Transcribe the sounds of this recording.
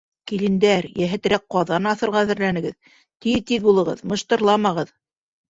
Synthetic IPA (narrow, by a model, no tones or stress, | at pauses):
kilɘ̆nd̪æɾjæɦɘ̆t̪ɾæk̚qɑðɑnɑθɤ̆ɾʁɑðɘ̆ɾlænɘ̆ɡɘð | t̪iðt̪iðbulˠɤ̆ʁɤ̰ðmɤ̆ʃt̪ɤ̆ɾlˠɑmɑʁɤð